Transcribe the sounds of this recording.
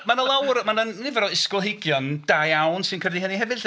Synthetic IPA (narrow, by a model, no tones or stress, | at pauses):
manəlˠawrmanənnɪvɛɾɔɪskɔlˠɦeɡjɔnd̥ajawnsɪnkʰədiɦəniɦɛvɨɬ